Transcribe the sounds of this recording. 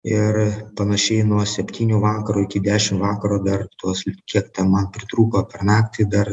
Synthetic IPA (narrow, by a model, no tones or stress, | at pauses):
ɪrpɐnɐʃʲɛɪnuɔsʲɛpʲt̪ʲiːnʲuːʋɑːkɐɾuːɪkʲɪd̪ʲæːʃʲɪmʋɑːkɐɾuːd̪ɐrt̪uɔskʲiɛkt̪ʲɛnmɐnpʲɾʲɪt̪ɾuːpɐpʲɛrnɑːkt̪ʲɪd̪ɐr